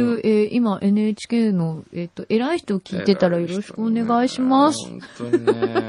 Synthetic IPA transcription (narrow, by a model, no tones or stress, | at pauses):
ɯʔeʔimaʔe̞nɯ̟et͡ɕi̥keːno̞et̪ːo̞ʔe̞ɾaiçi̥t̪o̞kʲiːt̪e̞t̪aɾajo̞ɾ̞o̞ɕi̥kɯ̟one̞ɡaiɕimasɨ̥